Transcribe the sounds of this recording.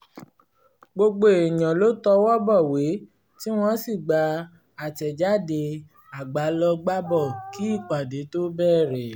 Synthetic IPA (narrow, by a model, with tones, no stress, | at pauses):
ɡ͡bo˧ɡ͡bo˦˨e˨j̃ã˨lo˦tɔ˧wɔ˦bɔ˦˨we˨˦ | ti˦w̃ɔ̃˧si˦˨ɡ͡ba˧ | a˨tɛ˨d͡ʒa˦de˧ | a˨ɡ͡ba˨˦lɔ˧ɡ͡ba˦bɔ˦˨ki˨˦i˦˨k͡pa˨de˨˦to˦bɛː˦˨ɾɛ˨